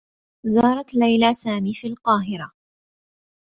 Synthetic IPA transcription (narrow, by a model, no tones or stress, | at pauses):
zɑːɾˤɑt̪lajlasaːmiːfiːlqɑːɦɪɾa